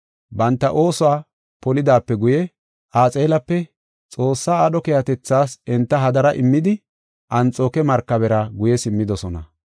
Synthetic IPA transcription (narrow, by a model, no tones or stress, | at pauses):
bɐnt̪ːɐʔo̞ːsʊwaː | pɔlɪd̪aːpːɛɡʊjɛ | ʔaːt͡sʼe̞ːlɐpːɛ | t͡sʼo̞ːsːaːɐɗɔkɛjɐt̪ɛt͡sːaːsɛnt̪ːɐɦɐd̪ɐɾɐʔɪmːɪd̪ɪ | ʔɐnt͡sʼoːkɛmɐɾkːɐbɛɾɐɡʊjɛsɪmːɪd̪ɔsɔnɐ̰